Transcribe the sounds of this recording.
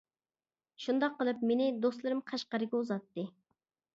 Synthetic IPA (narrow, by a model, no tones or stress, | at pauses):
ʃund̪ɑqːəlˠɨpmenɪd̪oslˠɨɾɨmqʰɑʃqɑɾɨɡʲɛuzɑt̪ːɨ